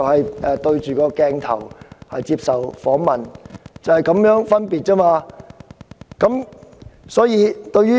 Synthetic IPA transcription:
whɐ˨jʔɛː˨˧t̪ɵ˧ɥt͡ʃyː˨˩kɔː˧kɛː˧ŋt̪ʰɐ̰˨˩whɐ˨jt͡siː˧p̚sɐ˨wfɔː˨˥ŋmɐ˨nt͡sɐ˨whɐ˨˩jkɐ˨˥mjœː˨˥ŋfɐ˥npiː˨t̚kɐː˥maː˧ | kɐ˨˥m | sɔː˨˥jiː˨˧t̪ɵ˧ɥyː˥

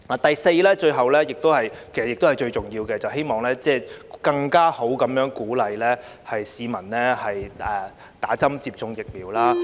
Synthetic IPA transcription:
aː˨˩t̪ɐ˨jse˧jlɛː˥t͡ʃɵ˧ɥɦɐ˨wlɛː˥jɪ˨k̚t̪o˥whɐ˨jkʰe˨˩sɐ˨jɪ˨kt̪hɐ˨˩jt͡ʃɵ˧ɥt͡sʊ˨ŋjiː˧wkɛː˧t͡sɐ˨wɦe˥jmɔː˨˩ŋlɛː˥t͡sɛː˥˧kɐ˧ŋkaː˥ho˨˥wkɐ˨˥mjœː˨˥ŋkuː˨˥lɐ˨jlɛː˥ | hɐ˨jsiː˨˧mɐ˨˩nlɛː˥hɐ˨jɛː˨˩ | t̪aː˨˥t͡sɐ˥mt͡siː˧p̚t͡sʊ˧ŋjɪ˨k̚miː˨wlaː˥

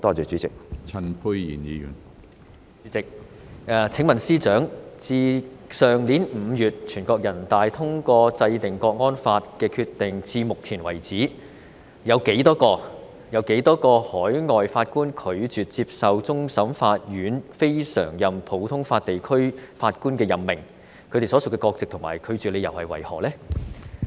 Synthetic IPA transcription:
t̪ɔː˥t͡ʃœː˨t͡ʃyː˨˥t͡sɪ˨k̚t͡sʰɐ˨npʰu˧jjḭː˨˩njiː˨˧jy̰ː˨˩n | y˨˥t͡sɪ˨k̚ː | t͡sʰɪ˨˥ŋmɐ˨˩nsiː˥t͡ʃœː˨˥ŋt͡siː˧sœː˨˩ŋli˨˥nm̩˨˧jyː˨t̚t͡ʃʰyː˨˩nkɔː˧k̚jɐ˨˩nt̪aː˨jt̪ʰʊ˥ŋkɔː˧t͡sɐ˧jt̪ɪ˨˩ŋkɔː˧k̚ŋɔː˥nfaː˧t̚kɛː˧kʰy˧t̪ːɪ˨ŋt͡siː˧mʊ˨k̚t͡sʰiː˨˩nwɐ˨˩jt͡siː˨˥ | jɐ˨˧wke˨˥jt̪ɔː˥kɔː˧ | jɐ˨˧wke˨˥jt̪ɔː˥kɔː˧hɔː˨˥jŋɔː˨jfaː˧t̚kuː˥nkʰɵ˨˧ɥt͡ʃyː˨t̚t͡si˧p̚sɐ˨wt͡sʊ˥ŋsɐ˨˥mfaː˧t̚jyː˨˥nfe˥jsœ̰ː˨˩ŋjɐ˨˩mpʰo˨˥wt̪ʰʊ˥ŋfaː˧t̚t̪e˨jkʰɵ˥ɥfaː˧t̚kuː˥nkɛː˧jɐ˨˩mːɪ̰˨˩ŋ | kʰɵ˧t̪e˨jsɔ˨˥sʊ˨kːɛː˧kɔː˧k̚t͡sɪ˨k̚t̪ʰʊ˨˩ma̰ː˨˩jkʰɵ˨˧t͡ʃyː˨le˨˧jɐ˨whɐ̰˨jwɐ̰˨˩jhɔ̰ː˨˩lɛː˥

